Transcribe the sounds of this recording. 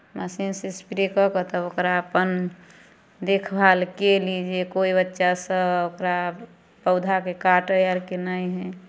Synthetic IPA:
masinsispiɾekɔkət̪ɔokɾaəpən | d̪ekʰbʱalkelid͡ʒekoibətːʃasə̃okɾa | pəʊd̪ʱakekaʈəjaɾkenaiɦɛ

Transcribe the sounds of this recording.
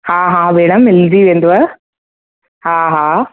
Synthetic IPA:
hãːɦãːʋeːɽɐmelːd͡ʒiːʋend̪uʋɐ | hãːɦaː

